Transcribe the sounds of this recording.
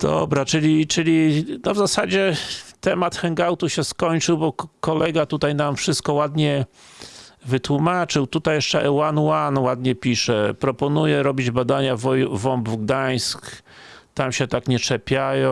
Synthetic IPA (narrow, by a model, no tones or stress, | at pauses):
d̪̥ɔ̰bɾat͡ʂɘlʲit͡ʂɘlʲinɔvzasad͡ʑɛt̪ɛmat̪xɛŋɡawt̪uɕɛskɔɲt͡ʂɘwbɔkɔlɛɡat̪ut̪ajnamfʂɘst̪̚kɔwad̪ɲɛ | vɘt̪wumat͡ʂɘwt̪ut̪ajɛʂt͡ʂɛʔɛwanwanwad̪ɲɛpʲiʂɛpɾɔpɔnujɛɾɔbʲid͡ʑbad̪aɲavɔjvɔmbvɡd̪aj̃sk | t̪amɕɛt̪akɲɛt͡ʂɛpʲjajɔ̃